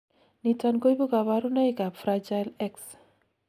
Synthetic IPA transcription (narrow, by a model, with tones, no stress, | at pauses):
ni˨ta˨nko˦i˦bu˦ka˨βa˦ɾu˦na˦i˦ka˨pfɾa˦d͡ʒa˦lɛ˦ks